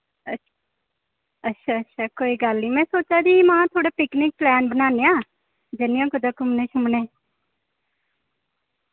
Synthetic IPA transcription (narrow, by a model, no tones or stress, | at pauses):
əʃ | ətːʃʰaːətːʃʰaːkoːiːɡəlniːmɛ̃ːsoːt͡ʃaːd̪iːmaãːt̪ʰoːɽeːpɪknɪk̚plɛːnbənaːneːãː | d͡ʒenijãːkʊd̪aːkʊmneːʃʊmneː